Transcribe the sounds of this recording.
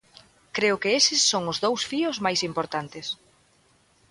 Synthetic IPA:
kɾeʊkɪesɪsːoŋʊzðowsfiʊzmajsimpoɾt̪ant̪ɪs

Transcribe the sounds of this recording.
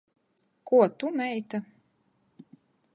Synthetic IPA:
kuɔt̪umɛjt̪a

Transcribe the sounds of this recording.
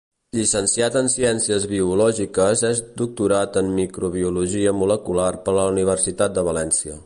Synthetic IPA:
ʎisənsiat̪ənsiɛnsiəzβiulɔʒikəzɛzd̪uk̚t̪uɾat̪əmːikɾuβ̞iuluʒiəmuləkularpələuniβ̞ərsit̪at̪̚d̪əβ̞əlɛnsiə

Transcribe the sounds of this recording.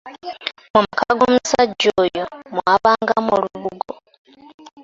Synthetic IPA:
mumakaɡomusaɟoːjomwaβaːŋɡamoluβuɡo

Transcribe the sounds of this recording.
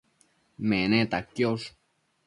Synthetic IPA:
menet̪akjos

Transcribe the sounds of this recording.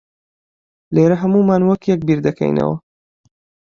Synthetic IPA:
leːɾɐɦɐmuːmaːnwɐkjɛk̚biɾd̪ɐkʰɛ̰jnɐ̰wɐ

